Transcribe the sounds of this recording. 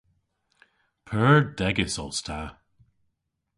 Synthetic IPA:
pʰɜːɹdɛɡɪsɔlˠstʰa

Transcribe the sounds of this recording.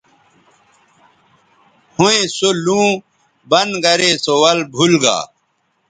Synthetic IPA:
hũẽsolũː | bɐnɡɐɾeːsowɐlbʱulɡa̰ː

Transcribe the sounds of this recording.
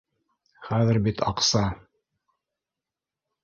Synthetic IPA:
χæðɘɾbit̪ɑqsɑ

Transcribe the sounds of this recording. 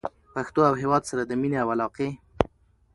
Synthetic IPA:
paxt̪oawɦewɑd̪saɾad̪əmineawalɑqe

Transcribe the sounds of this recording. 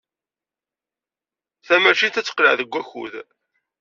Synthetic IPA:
θæmæʃint̪æt͡sːə̥qləʕðəɡʷːæçṵð

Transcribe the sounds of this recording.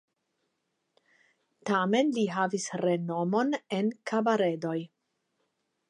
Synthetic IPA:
tame̞nliɦavisɾe̞nomo̞nenkʰabaɾe̞do̞j

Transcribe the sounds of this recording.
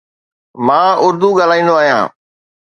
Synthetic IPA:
mãːʊɾd̪uɡaːl̤aːĩːnd̪oaːɦijã̰ː

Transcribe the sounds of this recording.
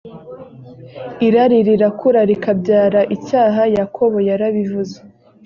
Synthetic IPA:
iɾaɾiɾiɾakʰuɾaɾikabɟaːɾaʔicaːɦajakʰo̞βo̞jaɾaβivuzḁ

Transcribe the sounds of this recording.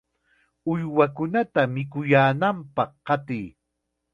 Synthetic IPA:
ʊjwakʊnat̪amɪkʊjaːnampɑχːɑt̪ɪj

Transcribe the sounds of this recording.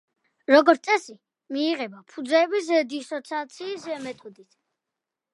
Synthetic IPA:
ɾɔɡɔɾt̪sʼɛsi | miːʁɛbapʰud̪zɛːbis̬ɛd̪isɔt̪sʰat̪sʰiːsɛmɛt̪ʼud̪it̪ʰ

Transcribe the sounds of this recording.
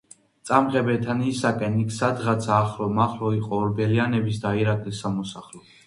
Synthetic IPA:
tt̪sʼamʁɛbɛt̪ʰanisakʼɛnikʰsad̪ʁat̪sʰaːχɾɔmaχɾɔiqʼɔːɾbɛlianɛbis̬d̪aiɾakʼlisamɔsaχlɔ

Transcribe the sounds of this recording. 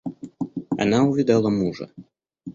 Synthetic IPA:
a̰nawvʲid̪alˠɐmuʐɐ̰

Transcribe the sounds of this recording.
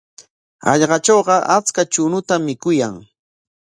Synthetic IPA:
ɑ̰ʎɢɑt͡ʃoːɢɑʔat͡skat͡ʃʊnʊt̪amːɪkʊjaŋ

